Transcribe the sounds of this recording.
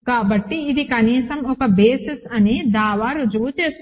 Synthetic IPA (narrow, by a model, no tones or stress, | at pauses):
kabɐʈːiːd̪ikanisɐmokɐbeːsɪsɐnid̪aːʋaɾud͡ʒuːt͡ʃes